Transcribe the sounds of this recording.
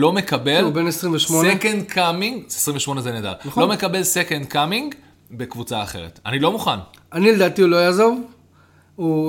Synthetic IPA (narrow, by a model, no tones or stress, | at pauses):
lo̞me̞kabe̞lbenesʁimveʃmonekendkʰamiŋɡzsʁiɱveʃmo̞nezened̪a̰ʁnaχo̞mekabe̞lse̞kend̪kamiŋɡ | be̞kvut͡saːχe̞̰ʁḛta̰nilo̞muχananiled̪aːt̪iulo̞jazo̞v | u